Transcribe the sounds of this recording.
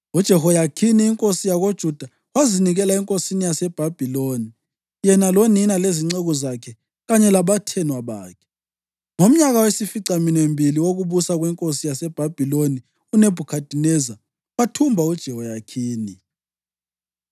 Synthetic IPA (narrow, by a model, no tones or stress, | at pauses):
ud̥ʒ̥ʱɛhɔjakʰiniːŋkʼosijaɣod̥ʒ̥ʱud̥ʱa | waziniɣɛlaɛŋkʼosinijasɛb̥ʱab̥ʱiloni | jɛnaloninaleziŋ͡ǀeɣɔzakʰɛ | ɣaɲɛlaβatʰɛnwaβaːkʰɛ̥ | ŋom̩ɲaɣawesifiǀaminwembʱiliwoɣuβusaɣwɛŋkʼosijasɛb̥ʱab̥ʱiloni | uneb̥ʱukʰad̥ʱinɛza | watʰumbʱaud̥ʒ̥ʱɛhɔjakʰiːni